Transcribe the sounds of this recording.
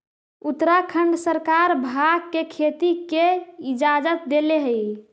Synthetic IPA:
ut̪ɾakʰəɳɖsəɾkaɾbʱaɡ̚kekʰet̪ikeid͡ʒad͡ʒət̪̚d̪eleɦəj

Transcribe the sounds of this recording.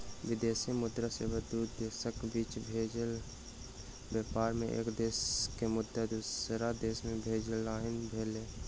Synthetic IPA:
ʋɪd̪eːsimʊd̪ɾaseːʋəd̪uːd̪d̪eːsəkbiːt͡ʃbʱeːd͡ʒəl | bɛːpaːɾmẽʔḛːkd̪eːskemʊd̪ːad̪uːsɾad̪eːsmẽbʱeːd͡ʒəlaːɦɪnbʱeːleː

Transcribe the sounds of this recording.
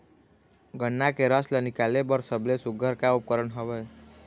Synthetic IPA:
ɡənːakeɾəslənikalebəɾsəblesuɡʱəɾkaup̚kəɾənɦəbɛ

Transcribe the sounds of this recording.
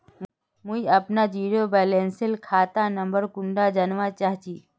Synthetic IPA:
mʊiɐpnad͡ʒiːɾobɛːlẽːnsəlkʰaːt̪anɐ̃mbəɾkʊ̃ɳɖad͡ʒanʋat͡ʃaːɦt͡ʃiː

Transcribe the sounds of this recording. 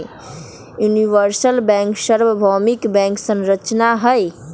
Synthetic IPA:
juniʋəɾsəlbɛ̃ŋkʃəɾʋəbʱɔmikbɛ̃ŋksə̃nɾət͡ʃnaɦəj

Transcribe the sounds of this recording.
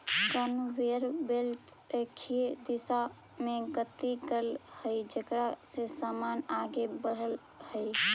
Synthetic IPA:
kanuʋeɾbelt̪ | ɾekʰied̪isa | meɡət̪ːiɡəlhəjd͡ʒekɾasesamanaɡebəɽəl | həj

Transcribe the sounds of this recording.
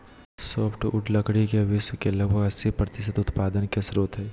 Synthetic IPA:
soːpʰʈʊʈləkɽikeʋɪʃwkelɐɡ̚bʱəɡɐsipɾət̪ɪsət̪ʊt̪paːd̪ənkesɾuːt̪ɦɛː

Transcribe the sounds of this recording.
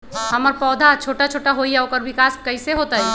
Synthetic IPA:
ɦəməɾpɔːd̪ʱat͡ʃʰoːʈat͡ʃʰoːʈaɦoijaokəɾbikaːskəɪseɦot̪ai

